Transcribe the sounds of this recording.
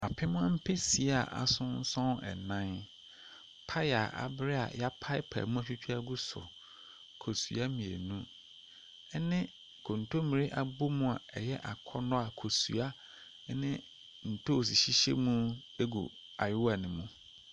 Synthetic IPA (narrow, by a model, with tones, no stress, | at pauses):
a˨pʰɪ˦mʊ̃˦a˦m̩˦pʰe˦si˨˦a˨ʔa̰˨sʊ̃˦n˦sɔ̃˦nɛ̰˨nã˦n | pʰa˦ja˨ʔa̰˨bɪ˦ɾɪ˦a̰˨ja˦pʰa˦ɪ˦pʰa̰˨mũ˦a˨t͡ɕᶣu˦t͡ɕʰᶣu˦a˦ɡu˦sʊ̰˨ | kʰo˨su˨a˦mĩ˨ḛ˨nũ˦ | ɛ˦nɪ̃˦ | kʰõ˨n̩˨tʰo˦mĩ˨ɾi˦ʔa˨bʊ˦mũ˦a˨ɛ˨jɛ˦ʔa˨kʰɔ˦nɔ̃˦a˨kʰo˨su˨a˦ | nɪ̃˦ | n̩˨tʰo˦˨s̬i˨ɕi˦ɕḛ˦mũ˦ | e˦ɡṵ˨ | a˨jʊ˦wa˨nɪ̃˨mũ˦